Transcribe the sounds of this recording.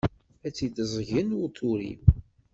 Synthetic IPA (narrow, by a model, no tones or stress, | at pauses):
æt͡sːid̪əzˤʝənwut̪ˤʰːuɾḭm